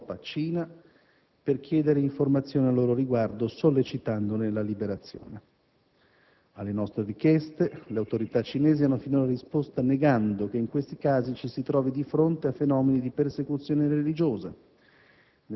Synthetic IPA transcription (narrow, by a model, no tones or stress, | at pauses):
pat͡ʃiːna | perk̟jɛːd̪eɾeiɱformat̪sːjoːnealːoːɾoɾiɡward̪osolːet͡ʃit̪and̪onelalibeɾat̪sːjo̰ːne | alːenɔst̪ɾeɾikjɛst̪eleawt̪oɾit̪at͡ʃːinɛːzianːofinoɾaɾispost̪aneɡand̪okeiŋkwest̪ikaːzit͡ʃisit̪ɾɔːvid̪ifɾont̪eafenɔːmenid̪ipersekut̪sːjoːneɾelid͡ʒoːza | n